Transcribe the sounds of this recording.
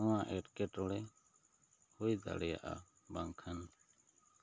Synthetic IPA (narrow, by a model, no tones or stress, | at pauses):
ɔwãʔɛʈkɛʈɔɽɛ | hujd̪a̰ɽɛja̰ʔa̰ | baŋkʰan